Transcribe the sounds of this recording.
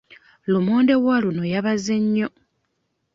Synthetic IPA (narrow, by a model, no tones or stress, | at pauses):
lumuːndeɣwalunojaβazeɲːo